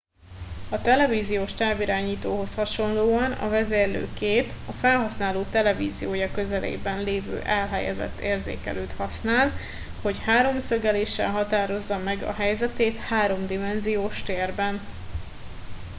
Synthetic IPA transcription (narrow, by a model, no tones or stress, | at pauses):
ɒt̪ɛlɛviːzijoːʃt̪aːbiɾaːɲiːt̪oːɦo̞shɒʃo̞nloːɒnɒ̰vɛzeːrlø̰ːkeːt̪ɒfɛlɦɒsnaːloːt̪ɛlɛvḭːzḭjoːjɒkø̞zɛlʔḛːbɛnleːvø̰ːʔɛlɦɛ̰jɛ̰zɛ̰t̪ːeːrzḛːkɛ̰lʔøːt̪hɒsnaːl | ho̞chaːɾo̞msøɡɛleːʃːɛ̰lɦɒt̪aːɾo̞zːɒmɛɡɒ̰ɦɛjzɛt̪eːt̪haːɾo̞md̪imɛnzijoːʃt̪eːrbɛn